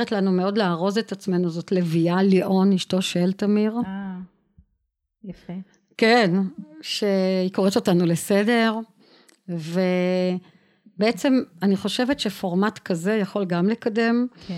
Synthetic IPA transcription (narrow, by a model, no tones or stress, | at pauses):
etlanumeo̞dleaʁo̞zetat͡sme̞nuzo̞tlevialiʔo̞niʃto̞ʃelt̪amiʁ | je | kenʃe̞ikoʁeto̞tanulesede̞ʁ | ve̞ | beet͡se̞maniχo̞ʃevetʃe̞fo̞ʁmatkaze̞jaχo̞lɡamlekade̞m